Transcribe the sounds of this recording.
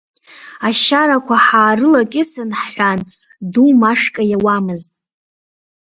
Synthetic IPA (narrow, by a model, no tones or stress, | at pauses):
aʃaɾakʷʰaħaːrɨlakʲʼɪsɨnħħʷan | dumaʂkʼajawamɨztʼ